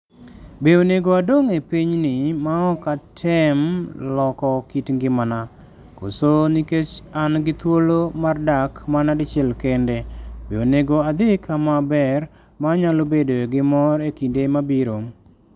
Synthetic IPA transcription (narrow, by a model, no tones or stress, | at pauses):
beoneɡoadoŋepiɲnɪmaɔkatʰɛmlɔkɔkitŋɡɪmana | ko̰soniket͡ʃanɡɪt̪wolomardakmanadɪt͡ʃɛlkɛndebeoneɡoad̪ɪkʰamabɛr | maɲalobedoɡɪmɔɾekindemabiɾom